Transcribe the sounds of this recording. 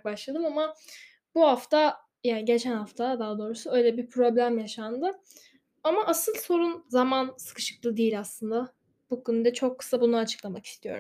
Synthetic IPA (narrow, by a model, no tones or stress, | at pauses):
k̚baʃlˠad̪ɯmama | buhaft̪a | janɟe̞t͡ʃʰænhaft̪ʰad̪aɦːd̪o̞ɾusuø̞jlʲɛbiɾpʰɾo̞blʲæmjaʃand̪ɯ | amaʔasɯlˠso̞ɾunzamansɯ̥kɯ̥ʃɯ̥klˠɯd̪ijilʲaslˠɯnd̪a | b̥ukʰynyd̪ɛt͡ʃʰo̞kʰːɯ̥sabunuat͡ʃʰɯ̥klˠamaki̥st̪ʰijoɾu